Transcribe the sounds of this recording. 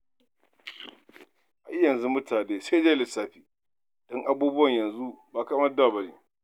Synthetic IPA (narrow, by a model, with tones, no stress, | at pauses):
ʔa˨˦jɐ˨nzu˦mʊ˦tʰaː˨neː˦se˦d͡ʒeː˦lɪ˨saː˦ɸiː˨ | d̥ɔ˦ŋʔa˦buː˦bʊ˦wɐ˨ɲjɐ˨nzu˦baː˨ka˦mɐ˦da˨bɐ˨niː˦